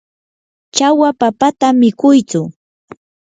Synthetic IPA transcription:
t͡ʃawapapat̪amɪkʊjt͡sʊ

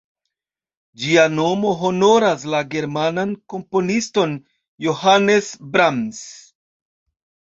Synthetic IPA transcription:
d͡ʒiano̞mo̞ɦo̞no̞ɾaslaɡe̞ɾmananko̞mpo̞nisto̞n | johane̞sbɾams

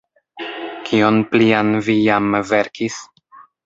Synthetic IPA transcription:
kʰio̞nplianvijamve̞ɾkʰis

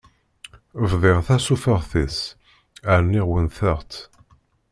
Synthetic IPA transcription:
əvðˤɪʁθæsufəʁθis | aɾnːiʁwənθəʁt̪

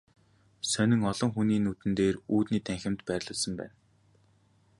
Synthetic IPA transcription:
sœnʲɪ̆ŋɔɮɞ̆ŋxuniːnut̪ɘ̆nt̪eːruːt̪niːt̪æŋxʲɪ̆mt̪pærʲɮə̆ɮsə̆mpæ̰ːn

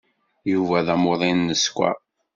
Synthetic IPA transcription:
juvæðæmoðˤinːəskʷæ̰

